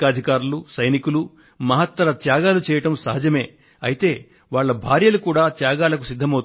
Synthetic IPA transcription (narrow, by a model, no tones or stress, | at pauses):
aːd̪ʱikaːɾulusɐjnikulu | mɐɦɐt̪ːɐɾɐt̪jaːɡaːlut͡ʃɛːjɐʈɐmsɐɦɐd͡ʒɐme̞ː | ɐjit̪e̞ː | ʋaːɭːɐbʱaːɾjɐlukuːɽaːt̪jaːɡaːlɐkusid̪ʱːɐmɐwt̪